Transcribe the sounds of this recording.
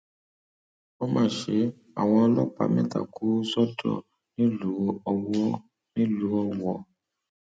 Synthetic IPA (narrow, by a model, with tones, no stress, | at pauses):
o˦mãː˦˨ʃe˧˦ | a̰˨w̃ɔ̃˧ɔ˧lɔ˦k͡pa̰˧˨mɛ̃˦˨ta̰˨kʰu˨˦sɔ˦dɔ̰˦˨ | nĩ˦lu˨˦ɔ˧wɔ˦ | nĩ˦lu˨˦ɔ˧wɔ˨